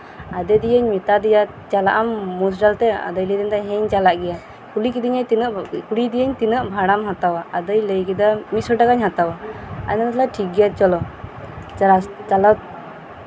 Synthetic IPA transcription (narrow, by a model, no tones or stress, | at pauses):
ad̪ɛd̪ijəɲmɛt̪ad̪ija | t͡ʃala̰ʔamːus̬ɖalt̪ɛa̰d̪əjlid̪ind̪aɦɛ̃ɲt͡ʃalaʔɡɛja | kulikid̪iɲat̪inəʔkuɽid̪ijəɲt̪inəʔbʱaɽamɦat̪awaʔad̪əjləjkid̪amisɔʈakaɲɦat̪awaa̰nant̪laʈʰik̚ɡɛjat͡ʃɔlɔ | ɾat͡ʃala